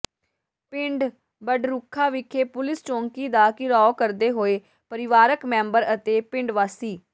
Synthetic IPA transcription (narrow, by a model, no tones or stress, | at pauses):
pɪɳɖ | bəɖɾʊkʰːaːʋɪkʰːeːpʊlɪst͡ʃɔ̃ːŋkiːd̪aːkɪɾɔːkəɾd̪eːɦoːeː | pəɾɪʋaːɾəkmɛ̃ːmbəɾət̪eːpɪ̃ɳɖʋaːsiː